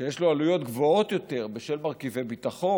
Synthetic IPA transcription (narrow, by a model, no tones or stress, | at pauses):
ejeʃloalujo̞t̪ɡvo̞o̞t̪jo̞t̪e̞ʁbeʃelmaʁkivebitaχo̞